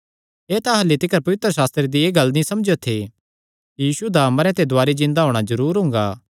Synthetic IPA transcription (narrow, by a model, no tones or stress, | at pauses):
eːt̪ãɦɐlːit̪ɪkəɾpɐʋɪt̪ɾəsaːst̪ɾed̪ieːɡɐlːnĩsɐmd͡ʒot̪ʰe | ijiːsud̪aməɾɛ̃t̪ʰed̪ʊaːɾid͡ʒɪ̃nd̪aɦoːɽ̃azɐɾuːɾɦʊ̃ŋɡaː